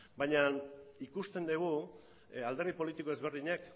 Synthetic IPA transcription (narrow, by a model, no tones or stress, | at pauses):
bajɲanikust̪e̞nd̪eɣ̞u | ald̪e̞rðipo̞lit̪iko̞e̞zβe̞ɾðiɲak